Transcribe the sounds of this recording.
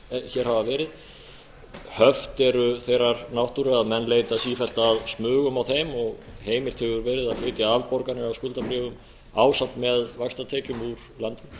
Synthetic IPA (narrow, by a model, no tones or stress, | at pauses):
çɛɾ̥havavɛːɾɪð | hœft̪ɛɾʏθejrːaɾnawht̪uɾɪaðmɛnːleːjt̪asiːfɛl̥t̪aːðsmʏːɣʏmawθejmɔɣheːjmɪɾ̥t̪ʰʏːɣʏɾvɛːɾɪðafɪːt̪ɪavpɔɾkanɪawskʏlt̪apɾɪːvʏm | aːwsat̪mɛðvakst̪at̪ʰɛːcʏmuɾ̥ | lant̪